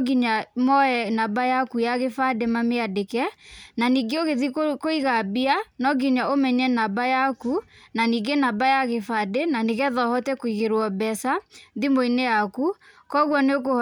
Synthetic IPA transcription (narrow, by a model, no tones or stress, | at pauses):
ɡiɲamɔɛnabajakujaɣefademameadekɛnaniɡeoɣeðikoiɣabianɔɡiɲaomɛɲɛnabajakunaniɡenabajaɣefadenaneɣɛðɔhɔtɛkoiɣeɾwɔbɛsaðimoineakukɔɣwɔneokoh